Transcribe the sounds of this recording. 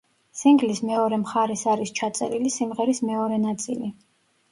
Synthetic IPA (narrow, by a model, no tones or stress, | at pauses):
siŋɡlismɛɔɾɛmχaɾɛsaɾist͡ʃʰat̪sʼɛ̰ɾilisimʁɛɾismɛɔɾɛnat̪sʼḭli